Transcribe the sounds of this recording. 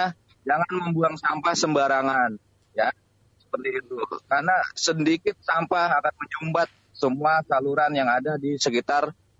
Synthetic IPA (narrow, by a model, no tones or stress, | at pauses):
a | d͡ʒaŋanməmbuaŋsampahsəmbaɾaŋan | ja | sə̥pərt̪iːt̪ukarnasəndikɪt̪̚sampahakanməɲumbat̪̚ | səmuasaluɾanjaŋadadisəkit̪ar